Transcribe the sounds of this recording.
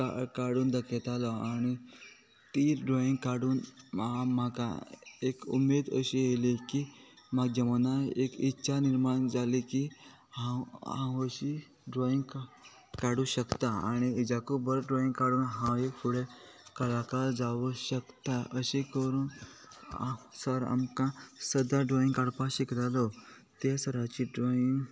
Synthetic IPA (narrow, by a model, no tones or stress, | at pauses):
kakaɽuːnd̪əkʰet̪alɔañi | t̪iɖɾoĩŋɡkaɽuːnmamaka̰ekṵmed̪ə̰ɕeɦelekimaɡ̚d͡ʑəmənaekitːɕʰaniɾmand͡zaleki | hããʋəɕi | ɖɾoĩŋɡk | kaɽuːɕəkt̪aa̰ɽ̃iːd͡ʑakubəɾɖɾoĩŋɡkaɽuːnɦãekfʰuɽekəlakaɾd͡zaʋəɕəkt̪aəɕikəɾuːn | səɾa̰mkãsəd̪ːaɖɾoĩŋɡkaɽpaɕikɾalɔ | t̪esəɾat͡ɕiɖɾoiŋɡ